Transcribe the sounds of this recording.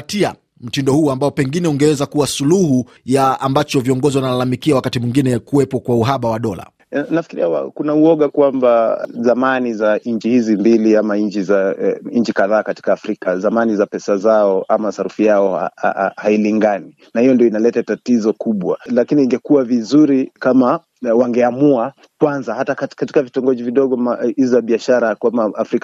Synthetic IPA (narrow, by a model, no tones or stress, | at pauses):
tia | m̩tindɔhuːambaɔpɛŋɡinɛuŋɡɛwɛzakuwasuluhu | jaambat͡ʃɔviɔŋɡɔziwanalalamikiawakatimwiŋɡinɛkuwɛpɔkwauɦaɓawaɗɔla̰ | nafikiɾiawa̰kunauɔɠakwambazamanizaɲ̩t͡ʃihizimbiliamaɲt͡ʃizaɲt͡ʃikaðaːkati̥kaːfɾikazamanizapɛsazaɔʔamasaɾufijaɔ̰hailiŋɡani | nahijɔndiɔinalɛtatatizɔkuɓwa̰lakiniːŋɡɛkuwavizuɾikama | waŋɡɛamua | kwanzahatakakatikavitɔŋɡɔʄiviɗɔɠɔmaizizaɓiaʃaɾakwamaafɾika